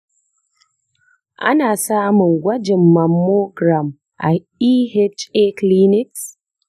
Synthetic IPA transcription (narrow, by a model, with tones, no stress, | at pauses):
ʔa̰˦naː˨saː˦mʊ˨ŋɡʷɐ˦d͡ʒɪ˨mːɐ˨mːoː˦ɡɾa˨m | ʔa˨ | iː˦hɛ˦t͡ʃe˦kli˦nɪ˦ks